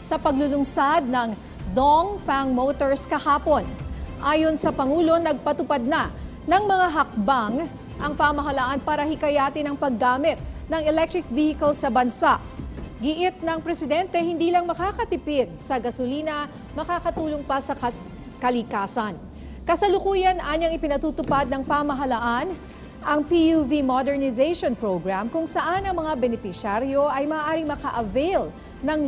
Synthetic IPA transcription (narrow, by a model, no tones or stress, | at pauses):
sɐpɐɡlʊlʊŋsad̪̚nɐŋ | d̪oŋfaŋmot̪oɹskɐhaːpo̞nʔaːjo̞nsɐpɐŋuːlo̞nɐɡ̚pɐt̪ʊpad̪̚nɐ | nɐŋmɐŋaɦɐk̚baŋ | ʔɐŋpɐmɐɦɐlaʔanpaːɾɐhɪkɐjaːt̪ɪnɐŋpɐɡːaːmɪt̪̚nɐŋɛlɛk̚t̪ɾɪk̚vihɪkɐlsɐbɐnsaʔɡɪʔɪt̪̚nɐŋpɾɛsɪd̪ɛnt̪ɛhɪnd̪iːlɐŋmɐkakɐt̪ɪpɪd̪̚sɐɡɐsʊliːnɐ | mɐkaːkɐt̪uːloŋpɐsɐɐ | kɐlɪkaːsɐn | kɐsɐlʊkuːjɐnʔaːɲɐŋɪpɪnɐt̪ut̪ʊpad̪̚nɐŋpamɐɦɐlɐʔan | ʔɐŋpijuvimod̪ɛɹnɪzejʃonpɹoɡɹamkʊŋsɐʔanɐŋmɐŋabɛnɛfɪʃaɾjo̞ʔɐjmɐːʔaːɾɪŋmɐkaʔɐvɛjl | nɐŋ